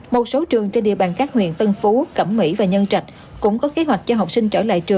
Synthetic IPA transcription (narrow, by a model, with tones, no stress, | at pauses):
mo˨˩t̚so˨˦t͡ɕɨ˨˩əŋt͡ɕe˧nɗḭ˨əwɓaː˨nkaː˦˥k̚hwḭ˧˨ənt̪ə˧nfu˨˦kə˧˩mmḭ˧˥vaː˨˩ɲə˧nt͡ɕa˨˩jk̟̚ | kʊ̰˧˥ŋ͡mkɔ˨˦ke˨˦ɦwa˨˩jk̟̚t͡ɕɔ˧ɦa˨˩wk͡p̚si˧ŋ̟t͡ɕəː˧˩la̰ː˧˨jt͡ɕɨ˨˩əŋ